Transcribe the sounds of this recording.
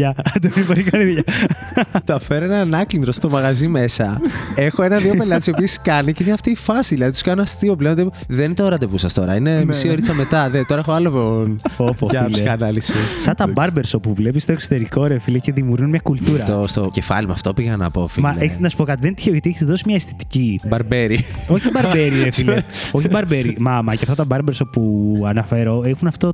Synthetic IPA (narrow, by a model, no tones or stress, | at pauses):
ɐd̪emipoɾikɐliðʝɐ | t̪oɐfeɾoenɐnɐcind̪ɾo̞st̪o̞mɐɣɐzime̞sɐe̞xoe̞nɐðiope̞lɐt̪isiopieskɐniceinɐft̪iːfɐsiðilɐðit̪u̥skɐnoɐst̪io̞plend̪i | ðent̪oɾɐt̪̬evusɐst̪o̞ɾɐinemisioɾit͡sɐme̞t̪ɐðet̪oɾɐexoɐlopeonopɐiskɐnɐlisisɐt̪ɐbɐɾbeɾsopuvlepist̪oekso̥t̪e̞ɾikoɾefileceðimuɾɣunmɲɐkult̪uɾɐt̪ost̪oce̞fɐ̰limɐ̰ft̪opiʝenɐ̰pofimɐleeçiznɐsu̥po̞kɐt̪iðent̪i̥çeoʝɐt̪ieçizðosimɲɐest̪i̥t̪i̥cibɐɾbeɾioçibɐɾbeɾieffileoçibɐɾbeɾimɐmɐceɐft̪ɐt̪ɐbɐɾbeɾsopuɐnɐfeɾo̞exunɐft̪o̞